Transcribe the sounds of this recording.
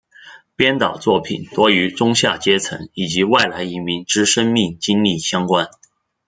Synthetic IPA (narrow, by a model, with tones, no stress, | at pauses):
pjɛ˥nt̪ɑ˨˩ʊt͡swɔ˥˩pʰḭ˨˩˦nt̪wɔ˥y˧˥ʈ͡ʂʊ˥ŋɕja˥˩t͡ɕjɛ˥t͡sʰɤ̰˧˥ŋi˨˩t͡ɕi˧˥wa˥˩ɪla˧˥ɪi˧˥mi˧˥ŋʈ͡ʂɻ̩˥ʂə˥ŋmi˥˩ŋt͡ɕi˥nli˥˩ɕjɑ˥ŋkwa˥n